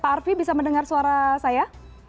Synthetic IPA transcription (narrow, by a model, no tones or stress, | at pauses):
paːrfibisaməndəŋarsuaɾasaja